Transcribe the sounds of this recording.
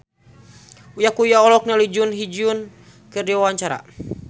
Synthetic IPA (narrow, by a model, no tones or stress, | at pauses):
ujakujaɔlɔk̚nalid͡ʒunɦid͡ʒiun | kɨrdiwawaɲt͡ʃaɾa̰